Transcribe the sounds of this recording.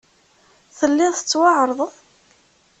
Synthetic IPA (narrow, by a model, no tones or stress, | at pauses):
θəlːɪθə̥t͡sːwɑʕɾˤðˤəðˤ